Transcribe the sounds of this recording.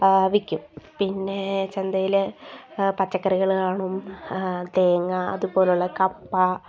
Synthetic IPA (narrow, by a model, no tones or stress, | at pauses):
ʋikʲːumpinːe̞t͡ɕend̪ɐjile | pɐt͡ɕːɐkːɐɾiɣɐɭkaːɳum | d̪eːŋːɐɐ̰ðubo̞ːluɭːɐkɐpːɐ